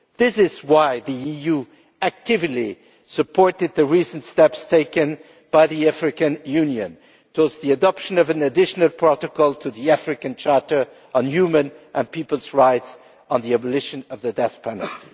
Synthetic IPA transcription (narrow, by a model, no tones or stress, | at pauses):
ðɪsɪzwaɪðiiju | æk̚tʰɪvɨli | sɨpʰɔɹɾɨd̪̚ðɨɹisntstɛpstʰeɪkɨ̃n | b̥aɪðiæfɹɨkɨ̃njʉ̃njɨ̰̃n | tʰwʌzðiɨdɑpʃɨ̃nʌvɨ̃nɨdɪʃnəl̩ˠpʰɹ̥ɑɾɨkɔlˠtʰɨðiæfɹɨkɨ̃nt͡ʃʰɑɹɾə˞ | ʔə̃n̩jʉmɨ̃nʔə̃npipəl̩ˠzɹaɪts | n̩ðiæbəlɪʃɨ̃nʌvðɨdɛθpʰæn̰lˠt